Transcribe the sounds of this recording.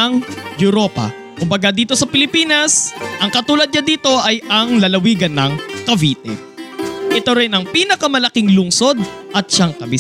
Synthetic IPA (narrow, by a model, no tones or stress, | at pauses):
ɐŋjʊɾo̞ːpɐ̰ | kʊmbɐɡad̪iːt̪o̞sɐpɪlɪpiːnɐsʔɐŋkɐt̪uːlɐd̪̚ɲɐd̪iːt̪o̞ʔɐjʔɐŋlɐlɐwiːɡɐnːɐŋkɐviːt̪ɛ̰ | ʔɪt̪o̞ɾɪnɐŋpiːnɐkɐmɐlɐkɪŋlʊŋso̞d̪̚ʔɐt̪̚ʃaŋkɐbɪ